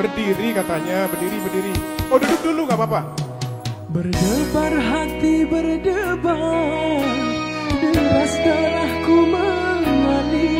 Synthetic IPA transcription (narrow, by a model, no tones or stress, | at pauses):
bərdiɾikat̪aɲabərdiɾibərdiɾiodudʊk̚duluɡaʔpapa | bərdəbarɦat̪ibərdəba | ŋdəɾast̪alahkuməŋmali